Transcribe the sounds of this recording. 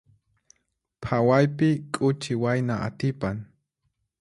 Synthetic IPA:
pʰawajpɪkʼʊt͡ʃɪwajnaʔa̰t̪ɪpaŋ

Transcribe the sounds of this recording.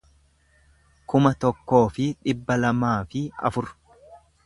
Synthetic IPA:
kʊmɐt̪ɔkːo̞ːfɪᶑɪbːɐlɐmaːfɪɐ̰fʊɾ

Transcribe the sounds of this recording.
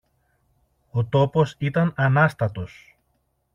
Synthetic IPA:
o̞t̪o̞po̞sit̪ɐnɐnɐst̪ɐt̪o̞s

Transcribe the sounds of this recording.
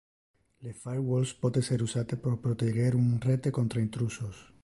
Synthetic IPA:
lefaɾwolspoðeseɾusat̪epoɾpɾot̪eɣeɾunret̪ekont̪ɾaint̪ɾusos

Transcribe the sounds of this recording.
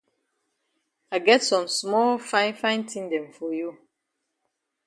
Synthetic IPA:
aɪɡɛtsɔ̃msmɔlfãɪ̃nfãɪ̃ntʰĩndɛ̃mfɔju

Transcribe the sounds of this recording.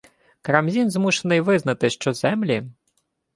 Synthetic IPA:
kɾɐmzʲinzmuʃenɪjʋɪznɐt̪ɪʃt͡ʃɔzɛmlʲi

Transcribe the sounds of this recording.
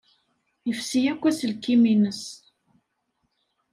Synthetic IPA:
jəfsijækʷːæsəlkːiminəs

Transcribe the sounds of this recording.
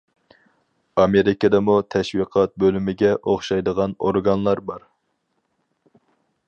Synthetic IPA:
ɑmeɾɪkɑd̪ɛmut̪ʰɛʃwiqʰɑt̪̚bølymɪɡʲɛʔoχʃɑjd̪əʁɑnoɾɡɑnlˠɑɾbɑɾ

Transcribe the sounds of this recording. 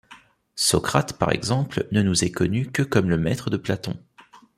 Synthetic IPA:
sɔkχat̪pa̰ʁɛ̰ɡzɑ̃plnənuzɛkɔnykəkɔmləmɛt̪χəd̪əplat̪ɔ̰̃

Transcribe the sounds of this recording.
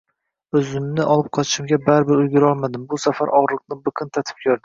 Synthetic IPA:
ɵzɪmnɪʔɒlˠɪp̚qʰɒt̪ʰɪ̥ʃɪmɡʲabaɾɪbɪɾʊjɡʲʊɾɒlˠmad̪ɪmbʊsafaɾʔɒʁɾlˠɨq̚nɪbɨqʰɨnt̪ʰat̪ʰɪ̥p̚kʲʰoɾd̪ɪ

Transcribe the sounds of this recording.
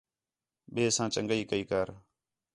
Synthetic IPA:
ɓeːsãːt͡ʃəŋɡəiːkəiːkəːɾ

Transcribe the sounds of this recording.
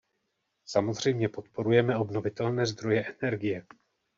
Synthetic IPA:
samo̞zr̝ɛjmɲɛpo̞t̪po̞ɾujɛmɛo̞bno̞vɪt̪ɛlnɛːzd̪ɾo̞jɛʔɛnɛɾɡɪjɛ

